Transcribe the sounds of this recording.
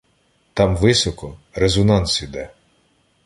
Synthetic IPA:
t̪ɑmʋɪsɔkɔɾezɔnɑnsid̪ɛ

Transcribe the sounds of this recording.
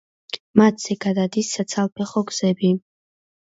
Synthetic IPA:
mat̪z̥ɛɡad̪ad̪isːat̪sʰalˠpʰɛχɔɡz̥ɛbi

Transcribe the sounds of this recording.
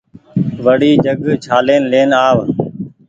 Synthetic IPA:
ʋəɽiːd͡ʒəɡt͡ʃʰaːleːnleːnaːʋ

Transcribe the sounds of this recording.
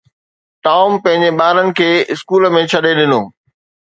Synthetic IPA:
ʈaːʊmpɐ̃ɦɪ̃ɲd͡ʑeɓaːɾənɪ̆kʰeːɪskuːlmẽt͡ɕʰɐɗeɗɪnoː

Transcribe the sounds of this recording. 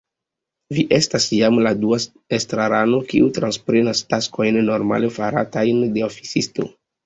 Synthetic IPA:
viʔe̞stasjamladua | estɾaɾano̞kiʔutɾanspɾe̞nastasko̞jnːo̞ɾma̰le̞faɾa̰tajnde̞ofi̥sisto̞̰

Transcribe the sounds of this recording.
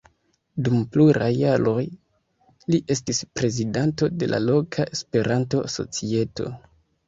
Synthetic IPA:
dumpluɾajːaɾo̞j | liʔe̞stispɾe̞zidanto̞de̞lʔa̰lo̞kʰaʔespe̞ɾʔanto̞so̞̰t͡sie̞to̞̰

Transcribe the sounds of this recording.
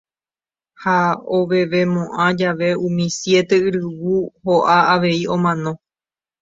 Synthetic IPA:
haoʋe̞ʋe̞mõʔãd͡ʒaʋe̞ũmĩsje̞t̪e̞ɨɾɨwuhoʔaaʋe̞iõ̞mãnõ̞

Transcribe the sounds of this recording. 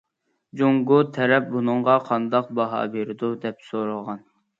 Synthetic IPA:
d͡ʒoŋɡut̪ʰɛɾɛp̚bunɨɴʁɑqʰɑnd̪ɑq̚bɑɦɑ̰ːbeɾɪd̪ud̪ɛpsoɾɨlˠʁɑn

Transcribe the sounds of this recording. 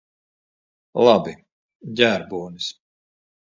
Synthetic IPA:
lˠɑbi | ɟʲæːɾbuːnis

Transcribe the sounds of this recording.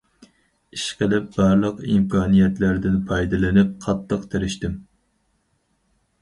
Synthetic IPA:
iʃqʰəlɪp̚bɑɾlˠəqimkʰɑːnijɛt̪læɾd̪ɪnpʰɑjd̪ɪlɪnɪp̚qʰɑt̪ʰːəqt̪ʰæɾɪʃt̪ɪm

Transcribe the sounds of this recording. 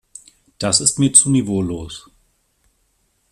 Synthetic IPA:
d̥asɪstmiːɐt͡suːnivoːloːs

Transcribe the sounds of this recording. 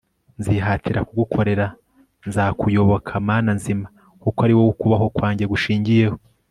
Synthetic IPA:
nziɦatiɾakuɡukʰo̞ɾe̞ɾa | nzaːkujo̞βokʰamaːnanzima | kukoaɾiwoukuβaɦo̞kwaːɲɟeɡuʃiːɲɟije̞ho

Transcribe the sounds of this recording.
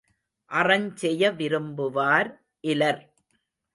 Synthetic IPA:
ʔɐrɐɲt͡ʃɛjɐʋɪɾɯmbɯʋaːɾ | ʔɪlɐɾ

